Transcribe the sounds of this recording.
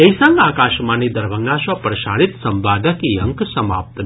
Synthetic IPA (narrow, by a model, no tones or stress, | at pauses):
ejsãŋɡaːkaːʃmaːnid̪ɐɾbʱəŋɡaʃɐpɾɐʃaːɽit̪sɐmbaːd̪ʱəkiɐŋksɐma̰ːp̚t̪